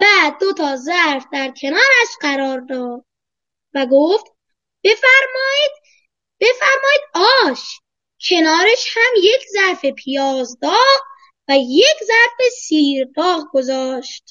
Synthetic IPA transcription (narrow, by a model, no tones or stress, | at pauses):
b̥æːd̪̚ːo̞t̪ʰɒːzæɾfd̪æɾkʰe̞nɒːɾæʃɢæɾɒːɾd̪ɒːd̪̥̚ | væɡoft̪ | b̥e̞fæɾmɒːiːd̪̥ | b̥e̞fæɾmɒːiːd̪̥̚ɒːʃ | kʰe̞nɒːɾeʃhæmje̞kʰzæɾfe̞pʰijɒːzd̪ɒːɣɣ | væjekʰzæɾfe̞siːɾd̪ɒːɣɡo̞zɒːʃt̪